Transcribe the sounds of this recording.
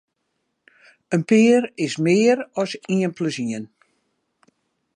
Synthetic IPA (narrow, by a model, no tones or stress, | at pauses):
ənpɪːəɾɪsmɪːəɾɔsiənpləsiən